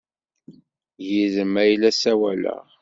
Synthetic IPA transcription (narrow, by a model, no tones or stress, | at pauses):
jiðəmæjlæsæwælə̰ʁ